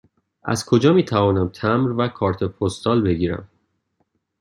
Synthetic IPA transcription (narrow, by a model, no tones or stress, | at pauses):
ʔæ̰zkʰo̞d͡ʒɒːmiːt̪ʰævɒːnæmt̪ʰæmɾvækʰɒːɾt̪ʰe̞pʰost̪ɒːlbe̞ɡiːɾæ̰m